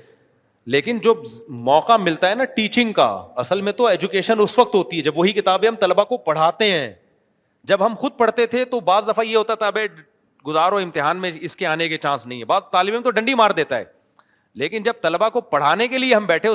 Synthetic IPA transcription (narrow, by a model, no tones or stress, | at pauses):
leːkɪnd͡ʒoːmɔːqamɪlt̪aɦɛnaʈiːt͡ʃɪ̃ŋɡka̰ɐsəlmẽt̪oɛːd͡ʒʊkeːʃənʊsʋɐq̚t̪ɦoːt̪iɦɛd͡ʒɐbʋɐɦikɪt̪aːbẽɦɐmt̪ɐlbakopɐɽ̤aːt̪eɦɛ̃ː | d͡ʒɐbɦɐmxʊd̪̚pɐɽ̤t̪et̪ʰet̪obaːzd̪ɐfajeɦoːt̪at̪ʰaɐbe | ɡʊzaːɾoɪ̃mt̪ɪɦaːnmẽɪskeaːneket͡ʃãːsnɐɦĩɦɛ̃baːzt̪aːlɪbẽmẽt̪oɖɐ̃ɳɖimaːɾd̪eːt̪aɦɛ̰ː | leːkɪnd͡ʒɐb̚t̪ɐlbakopɐɽ̤aːnekelieɦɐmbɛːʈʰẽ